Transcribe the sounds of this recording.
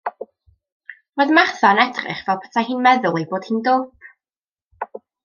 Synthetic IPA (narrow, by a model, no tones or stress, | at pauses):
roːðmarθɔnɛdrɪ̰χvɛlˠpʰɛ̥tʰahiːnmɛðʊlˠejboːd̥hiːndoːp̚ʰ